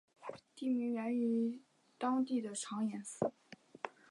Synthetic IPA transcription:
t̪i˥˩mi˧˥ŋɥɛ˧˥ni˧˥ | t̪ɑ˥ŋt̪i˥˩d̪ə˩ʈ͡ʂʰɑ˧˥ŋjɛ˧˥nsɹ̩˥˩

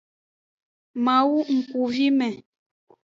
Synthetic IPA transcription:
ma˨wu˦ŋ̩˨kku˨vi˦mɛ˨

